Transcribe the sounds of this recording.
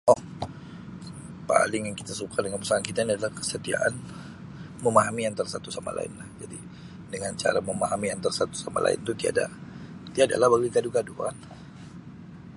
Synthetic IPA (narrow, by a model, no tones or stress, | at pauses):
ʔɔh | pa̰lɪŋjaŋki̥t̪asukadəŋanpəsaankit̪ainiadalahkə̥sət̪ia̰ʔan | məmaɦamiant̪arsat̪usama̰la̰ɪ̰nlahd͡ʒadi | dəŋant͡ʃa̰ɾaməmaɦamiant̪arsat̪u̥sama̰lʔa̰ɪ̰nt̪ut̪ia̰da̰t̪iada̰lahbaɡiɡaduɡadukan